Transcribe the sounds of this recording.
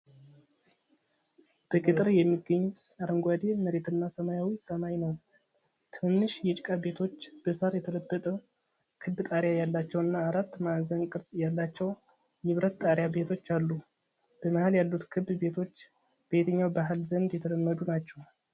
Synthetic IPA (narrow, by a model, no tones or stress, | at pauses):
b̥əkʼit̪ʼɨɾjɛmːiɡːəɲː | aɾəŋɡʷad̪eməɾe̞t̪ʰɨnːasəmajawisəmajnəw | t̪ʰɨnːɨʃjɛt͡ʃʼkʼabe̞t̪ʰo̞t͡ʃːb̥əsaɾjɛt̪ʰələbːət̪ʼəw | kʰɨbːt̪ʼaɾjajalːat͡ʃːɛwɨnːaːɾat̪ːmazənkʼɨɾsjalːat͡ʃːɛw | jɨβɾət̪t̪ʼːaɾjabe̞t̪ʰo̞t͡ʃːalːu | b̥əmahɨljalːut̪kʰɨbbe̞t̪ʰo̞t͡ʃː | b̥e̞t̪ʰəɲːawbaɦɨlzənd̪jɛt̪ʰələmːəd̪unat͡ʃːɛw